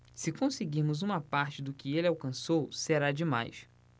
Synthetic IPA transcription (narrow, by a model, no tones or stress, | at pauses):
sɪkõsɪɡiɾmʊzũmɐpaɾt͡ʃɪd̪ʊkɪelɪawkɐ̃sowseɾad͡ʒɪma̰js